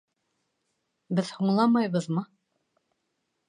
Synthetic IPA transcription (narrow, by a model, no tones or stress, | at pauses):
bɘðhuɴlˠɑmɑjβɤðmɤ